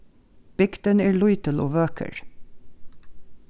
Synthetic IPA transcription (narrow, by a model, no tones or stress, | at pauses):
b̥ɪkt̪ənæːɹɭʊʏt̪əlʔoːʋøːkʰə̰ɹ